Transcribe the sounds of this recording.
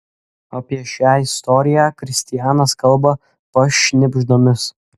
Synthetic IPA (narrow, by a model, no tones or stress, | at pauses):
ɐpʲiɛʃʲaːɪst̪ɔɾʲɪjæːkɾʲɪsʲt̪ʲɪjæːnɐskɐlˠbɐ | pɐʃʲnʲɪbʲʒd̪omʲɪs